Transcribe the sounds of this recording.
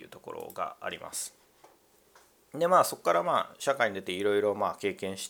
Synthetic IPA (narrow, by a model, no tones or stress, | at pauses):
jɯ̟ːt̪o̞ko̞̰ɾo̞̰ɡa̰a̰ɾʲḭmʔa̰sɨ̥ | d̪e̞maːso̞kkːaɾamaːɕakaiɲ̟id̪e̞t̪e̞iɾo̞iɾo̞maːke̞ːkẽ̞ɰ̃ɕi̥t̪